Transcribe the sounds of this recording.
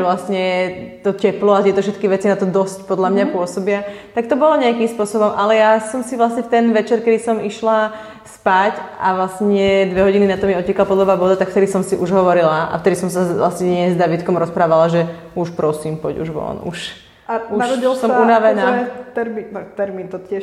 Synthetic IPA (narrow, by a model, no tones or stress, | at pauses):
ɛʋlasɲɛt̪ɔcɛplɔat̪ɪɛt̪ɔfʃ̬ɛt̪̚kiʋɛt͡sinat̪ɔd̪ɔscpɔd̪lamɲapʊɔsɔbiat̪ak̚t̪ɔbɔlɔɲɛakimspʊɔsɔbɔmʔalɛjasɔmsiʋlasɲɛft̪ɛnʋɛt͡ʃɛɾkɛd̪isɔmiʃla | spacʔaʋlasɲɛd̪ʋɛɦɔɟininat̪ɔmiɔcɛkalapɔd̪lɔʋaːbɔd̪at̪akft̪ɛd̪isɔmsiʔuʒɦɔʋɔɾilaʔa̰ft̪ɛd̪isɔmsala̰sɲɛɲɛzd̪aʋit̪kɔmɾɔspɾaːʋalaʒɛ | uʃpɾɔsiːmpɔɟṵʒʋɔ̰nṵʃ | aunʃɾɔɟilsɔmunaʋɛnaːt̪ɛɾminɔt̪ɛɾmint̪ɔt̪ɪɛ